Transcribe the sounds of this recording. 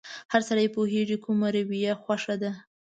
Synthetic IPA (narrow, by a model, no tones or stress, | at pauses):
haɾsaɾajepoɦeʐikʰumaɾawijaxwaʂad̪a